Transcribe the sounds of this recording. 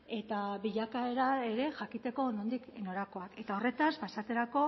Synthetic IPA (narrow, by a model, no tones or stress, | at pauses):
e̞t̪aβiʎakae̞ɾae̞ɾe̞ʝakit̪e̞ko̞nond̪ikeno̞ɾako̞ake̞t̪ao̞re̞t̪aspasat̪e̞ɾako̞